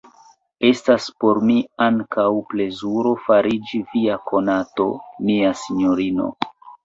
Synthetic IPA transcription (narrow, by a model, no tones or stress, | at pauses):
e̞staspo̞ɾmiaŋkawple̞zuɾo̞faɾid͡ʒiviakʰo̞nato̞̰miasiɲo̞ɾino̞̰